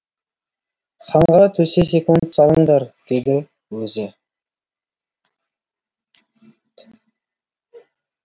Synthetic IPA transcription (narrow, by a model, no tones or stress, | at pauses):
χɑɴʁɑt̪ʰɵses̬e̞kunt̪sɑlˠəɴd̪ɑɾd̪̥e̞d̪ɪ | wɵzɪ